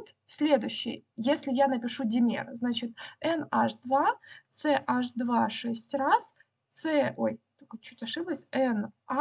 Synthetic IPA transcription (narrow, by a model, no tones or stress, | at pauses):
t̪ | sʲlʲe̞d̪ʊɕːɪ̰jjesʲlʲɪjanəpʲɪʂudʲɪmʲḛrznat͡ɕɪt̪̚ɛnaʂd̪vat̪sɛʔaʂd̪vaʂɛsʲtʲras | t̪sɛojt̪kot͡ɕut̪ʲɐʂɨbəsʲɛna